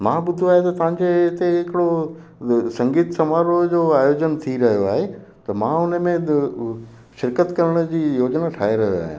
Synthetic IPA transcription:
mãːɓʊd̪ʱoaːɦet̪ɐt̪ɐʋ̤ãɲd͡ʑeɪt̪eɦɪkɪɽo | sɐ̃ŋɡiːt̪sɐmaːɾod͡ʑoːaːjoːd͡ʑənt̪ʰiɾɐɦijoaːɦe | t̪ɐmãːʊnəmẽ | ʃɪɾkət̪kɐɾəɽ̃ə̆d͡ʑiːjoːd͡ʑnaʈʰaːɦeɾɐɦjoa̰ːɦjã̰

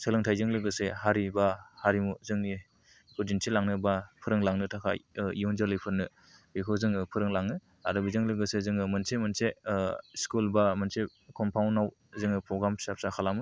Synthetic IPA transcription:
sɯlɯŋtʰajzɯŋlɯɡɯseɦaɾibahaɾimuzɯŋni | kʰud͡ʒinsʰelaŋnɯbapʰɯɾɯŋlaŋnɯtʰakʰa̰jijɔnzɯlɯjpʰɯɾnɯ | bikʰɯzɯŋɯpʰɯɾɯŋlaŋnɯ | a̰ɾɯbizɯŋlɯɡɯsezɯŋɯmɯnsemɯnseskulbamɯnse | kʰɔmpʰawnaw | zɯŋɯpɾɔɡɾamsap̚sakʰalamɯ

